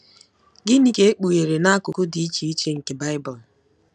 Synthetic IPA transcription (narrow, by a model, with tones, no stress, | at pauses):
ɡɪ˦ni˦ke˦e˦k͡pu˨ɣe˨ɾe˨na˦kʊ˨kʊ˦di˨˦i˦t͡ʃi˨i˦t͡ʃe˦ŋ̩˨ke˨ba˦ɪ˦bɔ˨l